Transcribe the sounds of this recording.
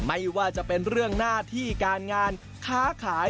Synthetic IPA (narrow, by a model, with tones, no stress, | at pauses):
ma˥˩jwaː˥˩t͡ɕa˨˩pe˧nɾɯ˥˩əŋnaː˥˩t̪ʰiː˥˩kaː˧nŋaː˧n | kʰaː˦˥kʰaː˩˦